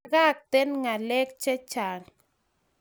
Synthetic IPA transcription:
ɣa˦k̚t̪e˦nŋa˨le˦kt͡ʃe˦t͡ʃa˨ŋ

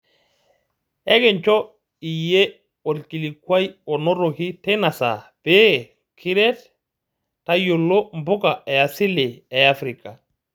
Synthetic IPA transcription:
ɛ˦ɡɛ˨nt͡ʃɔ˦ | i˨je˦ | o˨lki˨li˨kwa˦jɔ˨no˦ɾo˨ki˦tɛ˦na˨sa̰˨b̥e˦ | kʰi˦ɾɛ˦t | ta˦jo˨lːo˦mbʊ˦ka˨ɛ˨a˨si˦le˨ɛ˨a˦fɾika˨

